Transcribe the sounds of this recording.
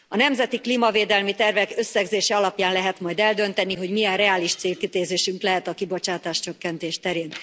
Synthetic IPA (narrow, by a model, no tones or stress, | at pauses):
ɒnɛmzɛt̪iklimɒveːd̪ɛlmit̪ɛrvɛkø̞sːɛɡzeːʃɛɒlɒpjaːnlɛɦɛt̪mɒjd̪ɛld̪ø̞nt̪ɛniɦo̞ɟmijɛnrɛaːliʃt̪seːlkit̪eːzeːʃyŋklɛɦɛt̪ɒkibo̞t͡ʃaːt̪aːʃt͡ʃø̞kːɛnt̪eːʃt̪ɛɾeːn